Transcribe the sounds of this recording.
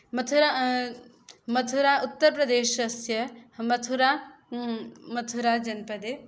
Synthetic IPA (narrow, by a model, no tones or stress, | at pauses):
mɐt̪ʰuɾa | mɐt̪ʰuɾaːʊt̪ːəɾpɾɐd̪eːʃɐsjɐmɐt̪ʰuɾa | mɐt̪ʰuɾad͡ʒɐnpɐd̪e